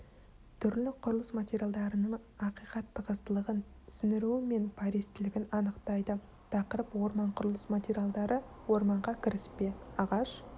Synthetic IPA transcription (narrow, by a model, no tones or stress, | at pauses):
t̪ʰʏɾlɪqʰʊɾəlˠəsmat̪ʲeɾʲjalˠd̪ɑɾənəɴɑqijqɑt̪ːəqəzt̪əlˠəʁənt̪ʰʏ̥sʏnɪɾuwɪme̞npʰɑɾe̞st̪ɪlɪɡʲɪnɑnəqt̪ɑjd̪ə | t̪ʰɑqəɾəpwo̞ɾmɑɴqʰʊɾəlˠəsmat̪ʲeɾʲjalˠd̪ɑɾə | wo̞ɾmɑɴʁɑkʲʰɪɾɪspe̞ɑʁɑʃ